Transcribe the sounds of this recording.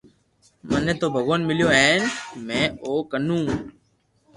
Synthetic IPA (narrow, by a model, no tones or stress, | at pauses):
mənːẽːt̪oːbʱəɡoːnmɪljoːeːnmẽːoːkənũː